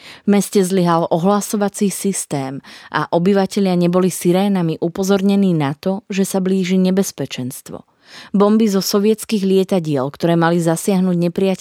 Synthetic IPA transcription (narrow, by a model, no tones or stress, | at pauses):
vmɛscɛzliɦalʔɔɦlasɔʋat͡siːsist̪ɛːmʔa̰ʔɔbiʋacɛʎɪaɲɛbɔlisiɾɛːnamiʔupɔzɔɾɲɛniːnat̪ɔʒɛsabliːʒiɲɛbɛspɛt͡ʃɛnst̪ʋɔ̰ | bɔmbizɔsɔʋɪɛt͡skiːɣlɪɛt̪aɟɪɛlkt̪ɔɾɛːmalizasɪaɦnuːɟɲɛpɾijac